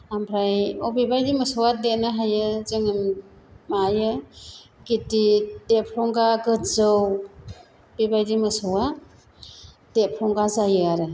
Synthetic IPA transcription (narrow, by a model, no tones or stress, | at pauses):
ampʰɾajɔbibajdimɯsɔwadenaɦajɯzɯŋɯm | majɯ | ɡitid̥epʰɾɔŋɡaɡɯtzɯw | b̥ibajdimɯsɯwa | d̥epʰɾɔŋɡazajɯaɾɯ